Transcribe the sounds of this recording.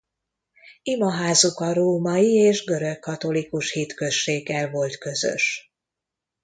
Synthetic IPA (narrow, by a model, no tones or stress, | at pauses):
imɒɦaːzukɒɾoːmɒjieːʒɡø̞ɾøkkːɒt̪o̞likuʃhit̪kø̞ʃːeːɡːɛlvo̞lt̪kø̞zø̰ʃ